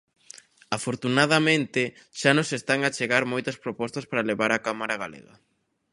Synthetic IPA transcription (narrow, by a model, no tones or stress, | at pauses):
afoɾt̪unaðamẽnt̪ɪ | ʃanõŋsest̪aŋat͡ʃeɣaɾmojt̪ɐspɾopɔst̪ɐspaɾaleβaɾakamaɾaɣalḛɣɐ̰